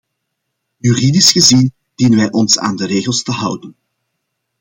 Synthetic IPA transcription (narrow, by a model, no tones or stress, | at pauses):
jyridisxəzin | d̥inənʋɛjʔɔnsa̰ːndəɾeːɣəlˠstəɦʌwdən